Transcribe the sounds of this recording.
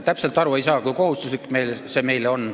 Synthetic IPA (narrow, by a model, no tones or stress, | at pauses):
t̪æpselt̪ːˑɑɾue̞jsɑːkujko̞ɦust̪uslikːme̞jlse̞me̞jleo̞n